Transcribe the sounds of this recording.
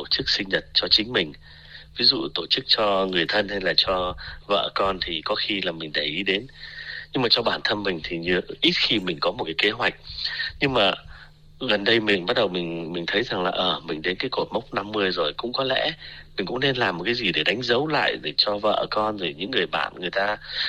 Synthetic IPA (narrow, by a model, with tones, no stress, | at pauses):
o˧˩t͡ɕɨ˦˥k̚sï˧ŋ̟ɲə˨˩t̚t͡ɕɔ˧t͡ɕï˨˦ŋ̟mï˨˩ŋ̟ | vi˨˦zṵ˧˨t̪o˧˩t͡ɕɨ˦˥k̚t͡ɕɔ˧ŋɨ˨˩əjt̪ʰə˧nha˧jlaː˨˩t͡ɕɔ˧və̰ː˧˩kɔ˧nt̪ʰi˨˩kɔ˨˦xi˧laː˨˩mï˨˩ŋ̟ɗa˧˩jʔi˨˦ɗe˨˦nɲɨ˧ŋmaː˨˩t͡ɕɔ˧ɓaː˧˩nt̪ʰə˧nmï˨˩ŋ̟t̪ʰi˨˩ɲɨ˧ʔi˦˥t̚xi˧mï˨˩ŋ̟kɔ˨˦mo˨˩t̚kaː˨˦ke˨˦ɦwa˨˩jk̟̚ɲɨ˧ŋmaː˨˩ | ɣə˨˩nɗə˧jmï˨˩ŋɓa˦˥t̚ɗə˨˩wmï˨˩ŋ̟mï˨˩ŋ̟t̪ʰə˨˦jza˨˩ŋlaː˨˩ʔəː˨˧˩mï˨˩ŋ̟ɗe˨˦nkaː˨˦jko˨˩t̚mə˦˥wk͡p̚na˧mːɨ˧əjzo˨˩jkʊ̰˧˥ŋ͡mkɔ˨˦lɛ̰˧˥mï˨˩ŋ̟kʊ̰˧˥ŋ͡mne˧nlaː˨˩mː˨˩t̚kaː˨˦jzi˨˩ɗe˧˩ɗa˨˦jŋ̟zə˨˦wla̰ː˧˨jɗe˧˩t͡ɕɔ˧və̰ː˧ʔəː˧˩kɔ˧nzo˨˩ɲɨ̰˧˥ŋːɨ˨˩əjɓa̰ː˧˨nŋɨ˨˩əjt̪aː˧